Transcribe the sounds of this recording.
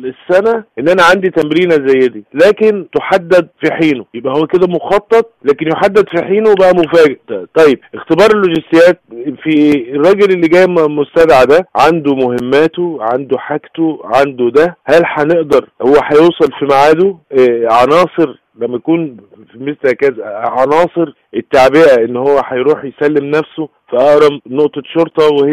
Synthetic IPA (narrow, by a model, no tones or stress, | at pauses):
esːænæʔenːʔænæʕand̪it̪æmɾiːnæzæjːed̪iːlæːkent̪oħad̪ːæd̪̚fiħiːnojebʔæhowːæked̪æmoxɑt̪ˤːɑt̪ˤlæːkenjoħad̪ːæd̪fiħiːnowbæʔæmofæːɡ̪t̪ˤɑjːeb̚ʔext̪ebɑːɾˤelːoʒɪst̪ejːæːt̪̚fierˤːɑːɡelelːiɡæːjmost̪æd̪ʕad̪æʕand̪omohɪmːæːt̪oʕand̪oħakt̪oʕand̪od̪æhælħæneʔd̪ɑɾˤhowːæħɑjoːsˤɑlfimaʕaːd̪oʕɑnɑːsˤɨɾ | læmːæjækuːn | fimeslhækæzæʕɑnɑːsˤɨɾ | ʔet̪ːaʕbeʔæʔenːhowːæħɑjɾuːħjsælːemnæfso | fæʔɑʔɾˤɑbnoʔt̪ˤɑʃoɾt̪ˤɑweh